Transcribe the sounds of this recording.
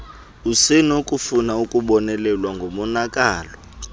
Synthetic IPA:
usenukʼufunaukʼuɓɔnɛlɛlwaŋɡʱomɔnakʼaːlɔ

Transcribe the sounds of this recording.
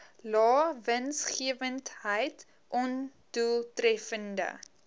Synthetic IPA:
lɑːvənsχiəvəntɦəjt | ʔɔnd̥ulˠtrɛfəndə̰

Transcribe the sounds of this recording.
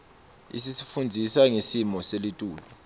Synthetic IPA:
ḭsisi̥fund͡zʱisaŋesimɔselitʼuːlu

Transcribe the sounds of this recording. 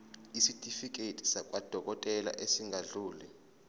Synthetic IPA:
isitʼifikʼetʼi̥sak̬ʼwad̥ʱɔk̬ʼɔtʼɛla̰ʔesiŋʱaɮuːlɛ

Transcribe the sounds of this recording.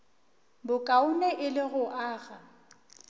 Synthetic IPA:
bʊkʼaʊnɛʔɪlɪɣʊʔaːɣa

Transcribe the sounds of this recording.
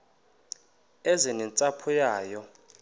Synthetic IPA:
ɛzinɛnt͡sʼapʰujaːjɔ

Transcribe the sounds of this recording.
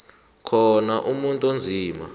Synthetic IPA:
kʰɔnaʔumuntʼond͡zʱiːma̰

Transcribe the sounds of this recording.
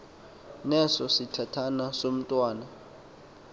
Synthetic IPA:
nɛsɔsitʰatʰanasom̩tʼwaːna

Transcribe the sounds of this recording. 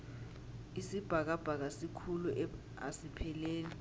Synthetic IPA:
isib̥ʱak̬ab̥ʱak̬asikʰuluʔ | a̰sipʰɛleːni

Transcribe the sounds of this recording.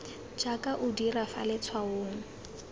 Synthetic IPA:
d͡ʒakʼaʔʊdirafa̰lɛt͡sʰwaʊːŋ̩

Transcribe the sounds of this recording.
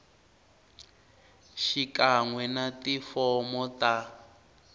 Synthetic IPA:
ʃikaŋwɛnatifɔmɔta

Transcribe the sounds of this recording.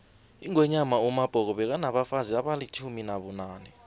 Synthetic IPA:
iŋwɛɲamaumab̥ʱɔk̬ɔɓɛk̬anaɓafaziaɓalit͡ʃʰuminaɓunaːnɛ

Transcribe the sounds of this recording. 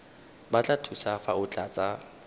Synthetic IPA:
bat͡ɬʼatʰusafaʊt͡ɬʼat͡sʼa

